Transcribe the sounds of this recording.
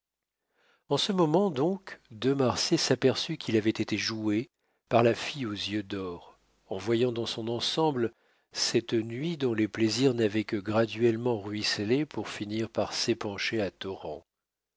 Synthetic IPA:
ɑ̃səmɔmɑ̃d̪ɔ̃kd̪ømaʁsesapɛʁsykʰʲilavɛt̪et̪eʒue | paʁlafijozjød̪ɔʁ | ɑ̃vwajɑ̃d̪ɑ̃sɔ̃nɑ̃sɑ̃bl | sɛt̪nɥid̪ɔ̃lepleziʁnavɛkəɡʁad̪ɥɛlmɑ̃ʁɥislepuʁfiniʁpaʁsepɑ̃ʃeat̪ɔʁɑ̰̃

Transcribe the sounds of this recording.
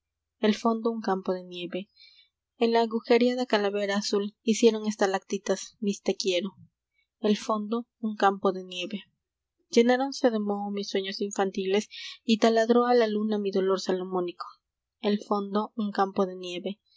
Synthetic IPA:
elfo̞nd̪ouŋkampo̞ðe̞nje̞βe̞ | enlaːɣuxe̞ɾiaðakalaβe̞ɾaːsulisje̞ɾo̞ŋest̪alakt̪it̪asmist̪ekje̞ɾo | elfo̞nd̪o̞ | uŋkampo̞ðe̞nje̞βe̞ | d͡ʒe̞naɾo̞nse̞ðe̞mo̞ðomisːwe̞ɲosiɱfant̪ile̞sit̪alaðɾo̞alalunamiðo̞lo̞ɾsalomo̞niko̥ | elfo̞nd̪o̞uŋkampo̞ðe̞nje̞βe̞

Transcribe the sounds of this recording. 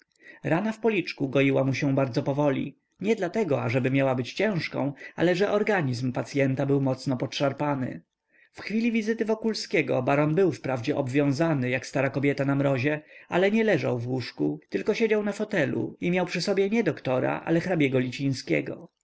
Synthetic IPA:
ɾanafpɔlʲit͡ʂkuɡɔjiwamuɕɛbaɾd̪zɔpɔvɔlʲḭ | ɲɛd̪lat̪ɛɡɔaʐɛbɘmʲjawabɘt͡ɕt͡ɕɛ̃w̃ʂkɔ̰̃w̃ʔa̰lɛʐɛʔɔɾɡaɲizmpat̪sʲjɛnt̪abɘwmɔt̪snɔpɔtʂaɾpanɘ̰ | fxfʲilʲivʲizɘt̪ɘvɔkulskʲɛɡɔ̰baɾɔnbɘwfpɾavd͡ʑɛʔɔbvʲjɔ̃w̃zanɘjakst̪aɾakɔbʲjɛt̪anamɾɔʑɛalɛɲɛlɛʐa̰wvwuʂkut̪ɘlkɔɕed͡ʑawnafɔt̪ɛlṵimʲjawpʂɘsɔbʲjɛɲɛd̪ɔkt̪ɔɾa̰ʔa̰lɛxɾabʲjɛɡɔlʲit͡ɕij̃skʲɛ̰ɡɔ̰

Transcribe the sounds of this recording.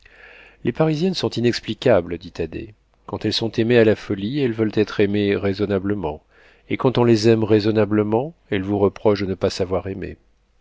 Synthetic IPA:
lepaʁizjɛnsɔ̃t̪inɛksplikʲabld̪it̪ad̪ḛ | kɑ̃t̪ɛlsɔ̃t̪emealafɔliɛlvœlt̪ɛt̪χemeʁezɔnabləmɑ̃ | ekɑ̃t̪ɔ̃lezɛmʁezɔnabləmɑ̃ɛlvuʁəpχɔʃd̪ənəpasavwaʁemḛ

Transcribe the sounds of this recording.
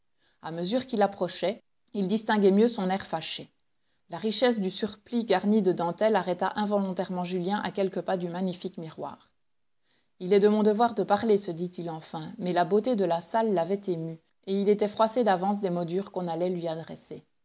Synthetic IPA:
aməzyːʁkilapχɔʃɛ | ild̪ist̪ɛ̃ɡʲɛmjøsɔ̃nɛʁfaʃe | laʁiʃɛs̬d̪ysyʁpliɡaʁnid̪əd̪ɑ̃t̪ɛlaʁɛt̪aʔɛ̃vɔlɔ̃t̪ɛʁmɑ̃ʒyljɛ̃ʔa̰kʲɛlkəpad̪ymaɲifikmiʁwa̰ːʁ | ilɛd̪əmɔ̃d̪əvwaʁd̪əpaʁlesəd̪it̪ilɑ̃fɛ̃mɛlabot̪ed̪əlasalːavɛt̪emy | eilet̪ɛfχwased̪avɑ̃s̬d̪emɔd̪yʁkɔ̃nalɛlɥiad̪ʁɛ̰se

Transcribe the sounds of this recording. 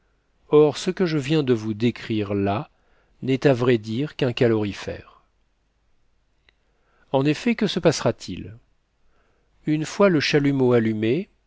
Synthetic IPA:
ɔʁsəkəʒəvjɛ̃d̪əvud̪ekχiʁla | nɛt̪avʁɛd̪iʁkɛ̃kalɔʁifɛ̰ːʁ | ɑ̃nefɛkəsəpasχat̪ʰil | ynfwaləʃalymoalyme

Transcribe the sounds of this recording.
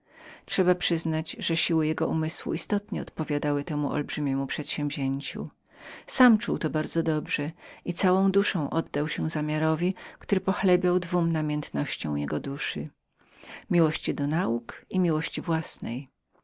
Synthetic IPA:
tʂɛbapʂɘznad͡ʑʐɛɕiwɘjɛɡɔʔumɘswṵist̪ɔt̪ɲɛɔt̪pɔvʲjad̪awɘt̪ɛmuʔɔ̰lbʐɘmʲjɛmupʂɛt̪ɕɛ̃mvʲʑeɲt͡ɕṵ | samt͡ʂuwt̪ɔbaɾd̪zɔd̪ɔbʐɛit̪sawɔ̃w̃d̪uʂɔ̃w̃ʔɔd̪ːawɕɛzamʲjaɾɔvʲikt̪uɾɘpɔxlɛbʲjawd̪vumnamʲjɛnt̪nɔɕt͡ɕɔ̃w̃jɛɡɔd̪uʂɘ | mʲiwɔɕt͡ɕid̪ɔnaukimʲiwɔɕt͡ɕivwasnɛ̰j

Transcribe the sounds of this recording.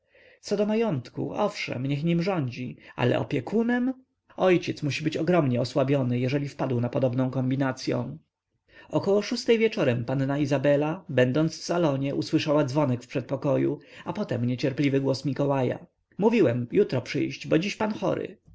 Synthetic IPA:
t̪sɔd̪ɔmajɔnt̪kṵʔɔfʂɛ̰mɲɛxɲimʐɔɲd͡ʑia̰lɛ̰ʔɔ̰pʲjɛkʰunɛm | ɔjt͡ɕɛt̪smuɕibɘt͡ɕɔɡɾɔmɲɛɔswabʲjɔnɘjɛʐɛlʲifpad̪wnapɔd̪ɔbnɔ̃w̃kɔmbʲinat̪sʲjɔ̰̃w̃ | ɔkɔwɔʂust̪ɛjvʲjɛt͡ʂɔɾɛmpanːaizabɛlabɛnd̪ɔnt̪sfsalɔɲɛʔuswɘʂawad̪zvɔnɛkfpʂɛt̪̚pɔkɔjṵapɔt̪ɛmɲet͡ɕɛɾplʲivɘɡwɔsmʲikɔwaja̰ | muvʲiwɛmjut̪ɾɔpʂɘ̰jɕt͡ɕbɔd͡ʑiɕpanxɔ̰ɾɘ̰

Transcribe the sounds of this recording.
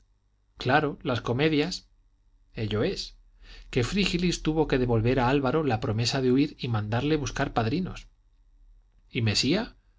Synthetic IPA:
klaɾo̞lasko̞me̞ðjas | e̞ʎo̞e̞s | ke̞fɾixilist̪uβo̞ke̞ð̞e̞βo̞lβe̞ɾaalβaɾo̞lapɾo̞me̞saðeuiɾimãnd̪aɾle̞βuskaɾpaðɾino̞̰s | ime̞sia

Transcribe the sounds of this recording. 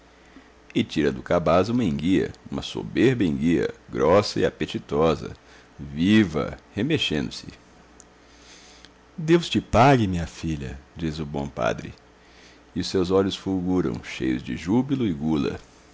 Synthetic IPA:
ɪt͡ʃiɾɐd̪ʊkabazũmɐĩŋɡiɐ̰ũmɐso̰beɾbɐĩɡiɐ̰ɡɾɔsɐɪapet͡ʃit̪ɔzɐ̰ | vivɐ̰hemeʃẽnd̪ʊsɪ | d̪ewst͡ʃɪpaɡɪmĩɲɐfiʎɐ̰d͡ʒizʊbõ̰pa̰d̪ɾɪ | ɪʊsewzɔʎʊsfulɡuɾɐ̰̃w̃ʃejʊzd͡ʒɪʒubilʊɪɡulɐ̰

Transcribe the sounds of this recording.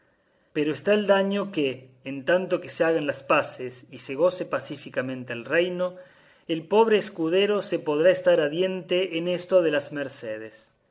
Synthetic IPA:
peɾoest̪aeld̪aɲo̞keːnt̪ant̪o̞keseaɣanlaspasesiseɣ̞o̞sepasifikamẽ̞nt̪ealrejno̞ | elpo̞β̞ɾeːskuð̞eɾo̞sepoð̞ɾaest̪aɾaðje̞nt̪eʔːnest̪oð̞elazmeɾseð̞es

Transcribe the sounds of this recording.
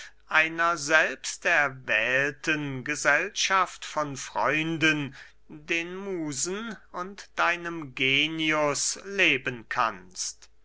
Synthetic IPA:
ʔaɪnɐzɛlpstɛɐvɛːltʰənɡəzɛlʃaftfɔnfʁ̥ɔ̰ʏndən | deːnmuːzn̩ʊntd̥aɪnəmɡeːniʊsleːbənkʰa̰nst

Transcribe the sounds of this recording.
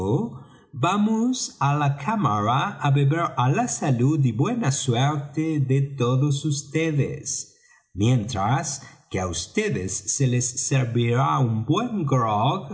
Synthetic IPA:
o | bamosalakʰamaɾaaβeβeɾalasalud̪̬ibwenasweɾt̪eðet̪oðosust̪eðḛs | mjẽnt̪ɾaskeaust̪eðesːelesːeɾβiɾaumbweŋɡɾɔɡ

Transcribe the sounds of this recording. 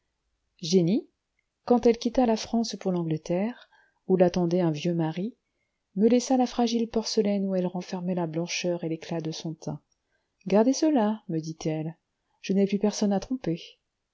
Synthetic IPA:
ʒeni | kɑ̃t̪ɛlkʲit̪alafχɑ̃spuʁlɑ̃ɡlət̪ɛʁ | ulat̪ɑ̃d̪ɛɛ̃vjømaʁi | məlɛsalafχaʒilpɔʁsəlɛnuɛlʁɑ̃fɛʁmɛlablɑ̃ʃœʁeleklad̪əsɔ̃t̪ʰɛ̰̃ | ɡaʁd̪esəlaməd̪it̪ʰɛl | ʒ̥ənɛplypɛʁsɔnat̪χɔ̃pe

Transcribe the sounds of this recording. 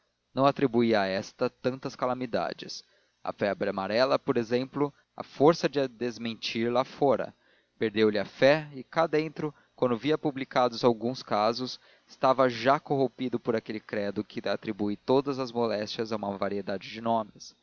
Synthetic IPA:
nɐ̃w̃at̪ɾibuiɐaɛst̪ɐt̪ɐ̃nt̪ɐskalamid̪a̰d͡ʒɪ̰s | ɐ̰fɛabɾiamaɾɛlɐpoɾezẽmplʊ | ɐ̰foɾsɐd͡ʒɪd̪ezmẽnt͡ʃiɾlafɔɾɐ̰ | peɾd̪ewlɪɐfɛɪkad̪ẽnt̪ɾʊ | kwɐ̃nd̪ʊviɐpublikad̪ʊzawɡũskazʊs | ɪ̥st̪avɐʒakoɦõpid̪ʊpoɾakelɪkɾɛd̪ʊkʰɪat̪ɾibujt̪od̪ɐzɐzmolɛst͡ʃɐzaũmɐvaɾied̪ad͡ʒɪd͡ʒɪnõmɪs

